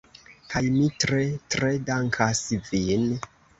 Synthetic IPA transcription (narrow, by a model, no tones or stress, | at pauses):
kajmitɾetɾe̞daŋkʰasvin